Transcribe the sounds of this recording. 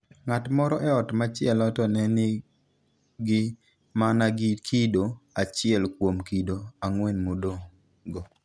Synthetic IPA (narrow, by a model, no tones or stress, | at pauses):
ŋatmɔɾɔʔɛɔtmat͡ʃɪɛlɔtɔnɛnɪ | ɡɪ | manaɡɪkʰidoat͡ʃɪɛlkwomkidoaŋwɛnmodo | ɡɔ